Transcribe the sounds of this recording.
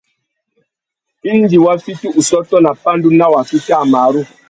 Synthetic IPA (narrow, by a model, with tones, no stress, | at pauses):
i˦n˦di˨wa˦fi˦ti˦ʔu˨sɔ˦tɔ˦na˨pa˦n˦du˦na˦wa˨fi˦ta˦˨ma˨˦ɾu˦